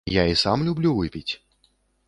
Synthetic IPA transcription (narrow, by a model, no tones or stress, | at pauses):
jaisamlʲublʲuvɨpʲit͡sʲ